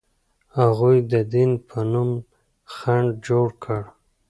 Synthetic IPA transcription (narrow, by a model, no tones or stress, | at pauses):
haɣujd̪əd̪inpʰənum | xaɳɖd͡ʒoɽkʰəɽ